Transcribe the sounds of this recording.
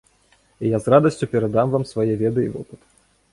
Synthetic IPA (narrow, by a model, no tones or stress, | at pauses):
ijazrad̪ɐsʲt͡sʲupʲɛɾad̪amvamsvajɛvʲɛd̪ɨivɔ̰pɨt̪